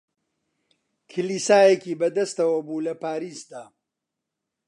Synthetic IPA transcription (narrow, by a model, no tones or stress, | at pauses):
kʰɨliːsaːjekiːbɐd̪ɐst̪ɐwɐbuːlɐpaːɾiːsd̪aː